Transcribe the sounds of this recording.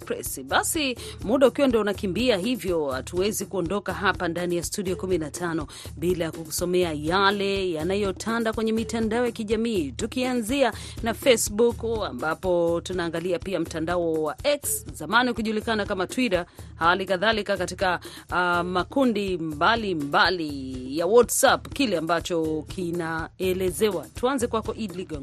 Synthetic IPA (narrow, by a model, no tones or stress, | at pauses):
pɛsiɓasimuɗaukiwandiɔunakimbiaɦivjɔatuwɛzikuɔndɔkaɦapandanijastuɗiɔkuminatʰanɔ | ɓilajakuku̥sɔmɛajalɛjanajɔtʰandakwɛɲɛmitandaɔjakiʄamiːtukianzianafesbukambapɔtunaːŋɡaliapiam̩tandaɔwaʔɛkszamanikuʄulikanakamatwiɾahalikaðalikakati̥ka | makundimbalimmbalijawɔtsapkilɛambat͡ʃɔkʰinaɛlɛzɛwatuanzɛkwakɔʔidliɡɔŋ